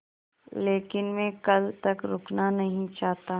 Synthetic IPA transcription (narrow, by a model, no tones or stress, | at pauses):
leːkɪnmɛ̃kɐlt̪ɐkɾʊknanɐɦĩt͡ʃaːɦt̪a